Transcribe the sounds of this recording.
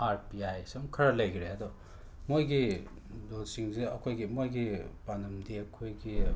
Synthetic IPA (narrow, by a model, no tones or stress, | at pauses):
aɾpiajsɐŋkʰɐɾalɐjɡiɾeɐd̪ɔ | mojɡi | dosiŋzeɐkʰojɡimojɡipanɐmdiɐkʰojɡi